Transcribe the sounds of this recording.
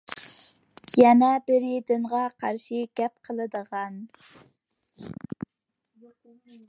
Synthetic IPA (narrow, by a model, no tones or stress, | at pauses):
jɛnɛbɪɾid̪ɪɴʁɑqʰɑɾʃiɡ̥ʲɛp̚qʰəlˠɨd̪əʁɑn